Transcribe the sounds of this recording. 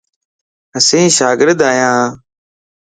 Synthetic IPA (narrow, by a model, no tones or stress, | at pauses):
əsĩːʃaːɡɪɾd̪aːjãː